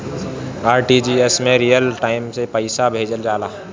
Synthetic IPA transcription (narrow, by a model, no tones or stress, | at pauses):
aːɾʈiːd͡ʒiesmẽɾijəlʈaːɪmsepəɪsabʱeːd͡ʒəld͡ʒaːlaː